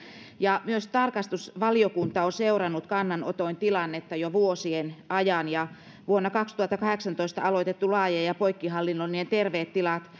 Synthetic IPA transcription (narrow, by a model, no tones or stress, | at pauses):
jɑmyøst̪ɑrkɑst̪usʋɑliokunt̪ɑoseurɑnːut̪kɑnːɑno̰t̪oint̪ilɑnːet̪ːɑjoʋuosienʔɑjɑnjɑ | ʋuonːɑkɑkst̪uhɑt̪ːɑkɑheksɑnt̪oist̪ɑ̰ɑloit̪et̪ːulɑːjejɑpoikːiɦɑlːinːonient̪erʋeːt̪tilɑt̪